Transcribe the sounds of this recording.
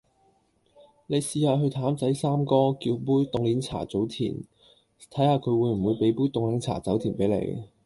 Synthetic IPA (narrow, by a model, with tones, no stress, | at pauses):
ne˨˧jsiː˧haː˧ɦɵ˧ɥt̪ʰaː˨˥mt͡sɐ˨˥jsaː˥mkɔː˥kiː˧wpuː˥jt̪ʊ˨˧ŋliː˨˥nt͡sʰa̰ː˨˩t͡so˨˥wt̪ʰḭː˨˩n | t̪ʰɐ˨˥jhaː˧kʰɵ˨˧ɥwuː˨˧jm̩˨˩wuː˨˧jpe˨˥jpuː˥jt̪ʊ˨˧ŋlɐ˨˥ŋt͡sʰa̰ː˨˩t͡sɐ˨˥wt̪ʰiː˨˩npe˨˥jlḛ˧j